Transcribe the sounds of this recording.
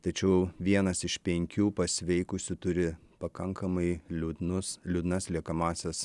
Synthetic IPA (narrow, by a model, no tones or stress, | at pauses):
t̪ɐt͡ʃʲɛʊʋʲiɛnɐsɪʃpʲɛŋʲkʲuːpɐsʲʋʲɛɪkʊsʲʊt̪ʊɾʲɪ | pɐkɐŋkɐmɐɪlʲud̪nʊslʲʊd̪nɐslʲiɛkɐmɑːsʲɛs